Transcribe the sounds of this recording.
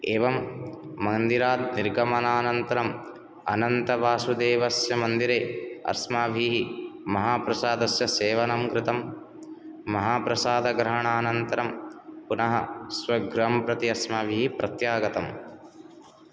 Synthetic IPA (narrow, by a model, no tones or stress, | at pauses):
eːʋɐmːɐnd̪iɾaːd̪̚niɾɡɐmɐnaːnɐnt̪ɐɾɐm | ɐ̰nɐnt̪ɐʋaːsud̪eːʋɐsjɐmɐnd̪iɾeːɐ̰ɾsmaːbʱiːɦimɐɦaːpɾɐsaːd̪ɐsjɐseːʋɐnɐmkɾɪt̪ɐmː | ɐɦaːpɾɐsaːd̪ɐɡɾɐɦɐɳaːnɐnt̪ɐɾɐmpunɐɦɐ̰sʋɐɡɾɦɐmpɾɐt̪iɐsmaːbʱiːɦipɾɐt̪jaːɡɐt̪ɐm